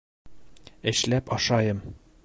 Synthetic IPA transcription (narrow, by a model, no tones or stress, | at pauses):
ɘ̆ɕlæpɒʃɑjɤm